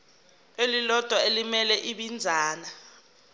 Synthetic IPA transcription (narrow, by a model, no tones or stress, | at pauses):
elilɔd̥ʱwaelimɛlɛʔiɓind͡zʱaːna